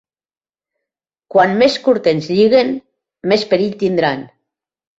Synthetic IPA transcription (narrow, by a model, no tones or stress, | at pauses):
kwanmeskuɾt̪enzʎiɣen | mespeɾiʎt̪ind̪ɾan